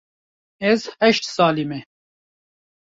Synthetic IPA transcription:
ezhɛʃt̪saːlime

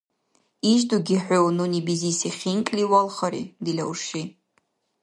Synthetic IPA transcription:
iʒduɡʲiħʷᶣʊwnunibizisiχʲiŋkʼliwalˠχɐɾḭd̪ilɐ̰wʂi

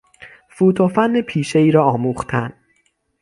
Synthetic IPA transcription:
fuːt̪ʰofænːepʰiːʃeiːɾɒːɒːmuːxt̪ʰæn

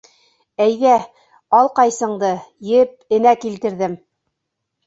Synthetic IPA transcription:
æjðæ | ɑlˠqɑjsɤ̆ɴd̪ɤjɘp̚ɘ̆nækilt̪ɘ̆ɾðɘm

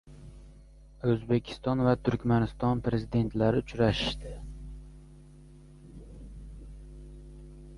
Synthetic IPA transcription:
ɵzbe̞kʲʰɪ̥st̪ɒnvat̪ʰʊɾkʲmanɪst̪ɒnpɾe̞zid̪e̞nt̪laɾɪʊt͡ʃɾaʃɪ̥ʃt̪ɪ

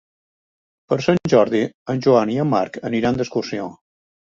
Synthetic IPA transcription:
pəɾsanʲʒɔɾðiənʲʒuaniəmːa̰ɾkəniɾand̪əskursio

